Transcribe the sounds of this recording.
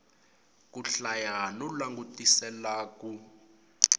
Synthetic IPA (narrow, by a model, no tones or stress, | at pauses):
k̬ʼuɬajanulaŋɡutʼisɛlaːk̬ʼu